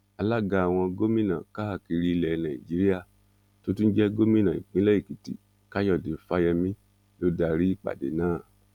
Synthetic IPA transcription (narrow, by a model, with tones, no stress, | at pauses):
a˧la˦ɡa˧˨a˨w̃ɔ̃˧ɡo˦mĩ˦nã˨ka˦a˦˨ki˧ɾi˦˧lɛ˨˧nã˨ḭ̃˨d͡ʒi˨˦ɾi˦ja˦˨ | to˦tũ˦n̩˦d͡ʒɛ˦ɡo˦mĩ˦nã˨ḭ̃˨k͡pĩ˨˦lɛ˦i˦˨ki˨ti˨ | ka˦jɔ˦˨de˨˦fa˦jɛ˧mĩ˦ | lo˦da˧ɾi˦i˦˨k͡pa̰˨dḛ˨˦nãː˦˨